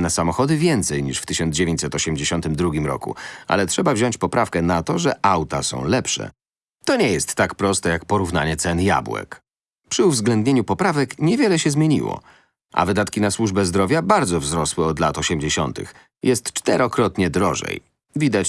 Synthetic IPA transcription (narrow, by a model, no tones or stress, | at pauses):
nasamɔxɔd̪ɘvʲjɛnt̪sɛjɲiʂft̪ɘɕɔnd̪d͡ʑevʲjeɲt͡ɕsɛt̪ɔɕɛmd͡ʑeɕɔnt̪ɘmd̪ɾuɡʲimɾɔ̰kṵa̰lɛtʂɛbavʑɔɲt͡ɕpɔpɾʔafkɛnat̪ɔʐɛʔawt̪asɔ̰̃w̃lɛpʂɛ̰ | t̪ɔɲɛjɛst̪ːakpɾɔst̪ɛjak̚pɔɾuvna̰ɲɛt̪sɛnja̰bwɛ̰k | pʂɘuvzɡlɛnd̪ɲeɲupɔpɾavɛkɲɛvʲjɛlɛɕɛzmʲeɲḭwɔ̰ | ʔa̰vɘd̪at̪kʲinaswuʐbɛzd̪ɾɔvʲjabaɾd̪zɔvzɾɔswɛɔd̪lat̪ɔɕɛmd͡ʑeɕɔ̰nt̪ɘ̰x | jʔɛst̪t͡ʂt̪ɛɾɔkɾɔt̪ɲɛd̪ɾɔ̰ʐɛ̰j | vʲid̪at͡ɕ